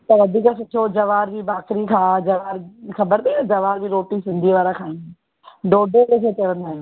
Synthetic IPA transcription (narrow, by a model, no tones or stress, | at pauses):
t̪ɐʋɐd̪ʱiːkəsʊtʰod͡ʑɐʋaːɾd͡ʑiːbaːxɾikʰãːd͡ʑɐʋaːɾxɐbəɾt̪iɐd͡ʑɐʋaːɾd͡ʑiɾoːʈisɪ̃nd̪ʱiʋaːɾakʰaːĩː | ɖoːɖʱelekʰetɐʋə̃nd̪aːɦjo